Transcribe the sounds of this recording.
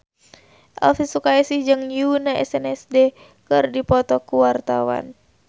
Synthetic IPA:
ʔa̰lfisukaɛsihd͡ʒɨŋjunaʔɛsɛnɛsdɛ | kɨrdipɔt̪ɔkuwart̪awa̰n

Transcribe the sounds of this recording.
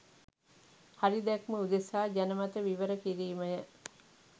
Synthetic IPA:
haɾid̪ɛkməud̪esaːɟænəmat̪əʋiʋəɾəkiɾiːməjə

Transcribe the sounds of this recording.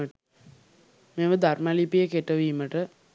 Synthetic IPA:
əʈə | meːʋəd̪armɐlipijekeʈːəʋiːmːəʈə

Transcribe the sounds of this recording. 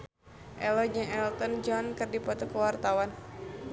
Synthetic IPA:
ʔɛlɔd͡ʒəŋɛlt̪ɔnd͡ʒɔnkɨrdipɔt̪ɔkəwart̪awan

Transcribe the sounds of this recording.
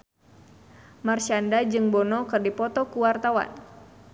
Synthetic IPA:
marsandad͡ʒɨŋbɔnɔkɨrdipɔt̪ɔkuwart̪awa̰n

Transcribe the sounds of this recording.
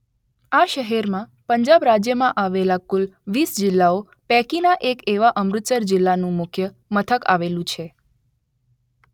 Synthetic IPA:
aʃəɦɛɾmãpəɲd͡ʒabɾad͡ʒjəmãʔaʋelakʊlʋisd͡ʒɪlːao | pɛkinaʔekeʋaʔəmɾʊt̪səɾd͡ʒɪlːanũmʊkʰjə | mət̪ʰəka̰ʋelũt͡ʃʰe

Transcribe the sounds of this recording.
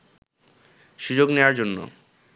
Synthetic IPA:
ʃud͡ʑoɡneoaɾd͡ʑonːo̰

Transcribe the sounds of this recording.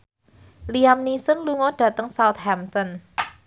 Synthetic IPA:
liamnisənluŋɔɖ̥ä̤t̪əŋsawt̪̚hamt̪ɔn

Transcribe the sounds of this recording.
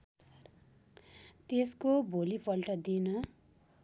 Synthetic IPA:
t̪eskobʱolipʰʌlʈʌd̪inʌ

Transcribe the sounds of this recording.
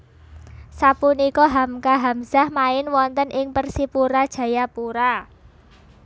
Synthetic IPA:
sapunikɔɦamkaɦamz̥a̤hmaɪnwɔnt̪ənʔɪŋpərsipuɾad̥ʒ̥ä̤japuɾa

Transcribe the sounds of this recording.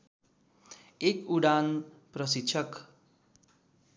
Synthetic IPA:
ekuɽanprʌsitːt͡sʰʌk

